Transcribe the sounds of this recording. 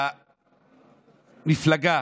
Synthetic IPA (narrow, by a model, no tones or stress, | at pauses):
niflaɡa